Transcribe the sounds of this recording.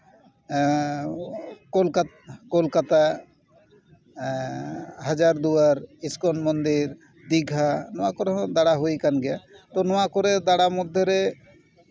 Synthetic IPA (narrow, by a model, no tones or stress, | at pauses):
kolka | kolkat̪a | ɦad͡ʒaɾd̪uaɾiskɔnmɔnd̪iɾ | d̪iɡʱanɔwakɔɾeɦɔ̃d̪aɽaɦojkanɡɛjat̪ɔnɔakɔɾed̪aɽamɔd̪ʱːjɔɾe